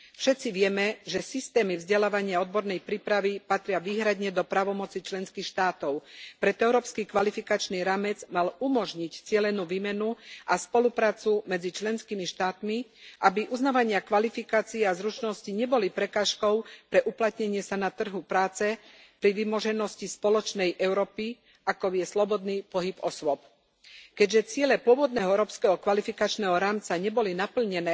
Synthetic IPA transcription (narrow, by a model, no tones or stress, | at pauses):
fʃɛt̪t͡siʋɪɛmɛʒɛsist̪ɛːmivzɟɛlaːʋaɲɪaɔd̪bɔɾnɛjpɾiːpɾaʋipat̪ɾɪaʋiːɦɾad̪ɲɛd̪ɔpɾaːʋɔmɔt͡sit͡ʃlɛnskiːxʃt̪aːt̪ɔʊpɾɛt̪ɛʊɾɔːpskikʋalifikat͡ʃniːɾaːmɛd͡zmalumɔʒɲict͡sɪɛlɛnuːʋimɛnuʔaspɔlupɾaːt͡sumɛd͡zit͡ʃlɛnskiːmiʃt̪aːt̪miʔabiʔuznaːʋaɲɪakʋalifikaːt͡siɛazɾut͡ʃnɔsciɲɛbɔlipɾɛkaːʃkɔʊpɾɛʔuplat̪ɲɛɲɪɛsanat̪r̩ɦupɾaːt͡sɛ | pɾiʋimɔʒɛnɔscispɔlɔt͡ʃnɛjʔɛʊɾɔːpi | ʔakɔjɛslɔbɔd̪niːpɔɦipɔswɔp | kɛɟʒɛt͡sɪɛlɛpʊɔʋɔd̪nɛːɦɔɛɾɔːpskɛɦɔkʋalifikat͡ʃnɛːɦɔɾaːmt͡saɲɛbɔlinapl̩ɲɛnɛː